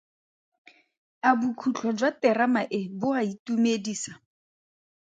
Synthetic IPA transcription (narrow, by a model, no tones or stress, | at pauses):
abukʰut͡ɬʰɔd͡ʒwatɛramaʔɪbʊaitumediːsa